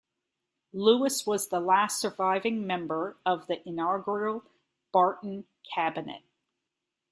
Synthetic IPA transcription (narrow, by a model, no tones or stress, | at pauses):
luəswʌzðəlæstsə˞vaɪvɪ̃ŋmɛ̃mbə˞ʌvðiʔɪnɑɡə˞l̩ˠ | b̥ɑɹʔn̩ | kʰæbɨnɨ̰t̚